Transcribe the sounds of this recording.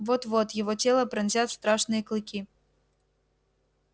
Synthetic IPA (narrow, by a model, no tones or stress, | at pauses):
vɔt̪vɔt̪jɪvɔtʲelˠəpɾɐnʲzʲat̪st̪ɾaʂnɨjəklˠɨkʲi